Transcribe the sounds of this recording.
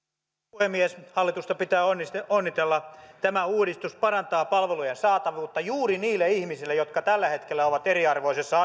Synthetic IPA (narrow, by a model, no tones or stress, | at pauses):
uhemːieshɑlːit̪ust̪ɑpit̪æːonːist̪eonːit̪elːɑt̪æmæuːɾist̪uspɑrɑnt̪ɑːpɑlʋelujensɑːt̪ɑʋuːt̪ːɑjuːriniːlːeihmisilːejot̪kɑt̪ælːæhet̪kelːæoʋɑt̪eriɑrʋoisesːɑ